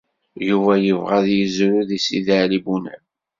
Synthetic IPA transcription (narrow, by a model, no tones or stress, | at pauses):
juvæjəvʁæðjəzɾuðisiðaʕlibunæ̰